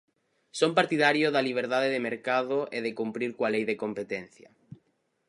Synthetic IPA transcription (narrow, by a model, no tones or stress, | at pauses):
sompaɾt̪iðaɾjoðaliβ̞eɾðaðeðemeɾkaðʊʔeðekumpɾiɾkwalejðekompet̪ɛn̟θjɐ̰